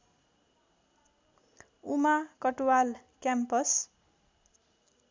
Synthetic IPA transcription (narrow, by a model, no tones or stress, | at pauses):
umakʌʈuwal | kjampʌs